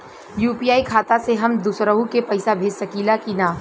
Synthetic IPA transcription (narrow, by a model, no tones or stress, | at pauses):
juːpiːaːikʰaːt̪aseɦɐmd̪usɾəɦũkepɐɪsabʱeːd͡ʒsɐkiːlakinaː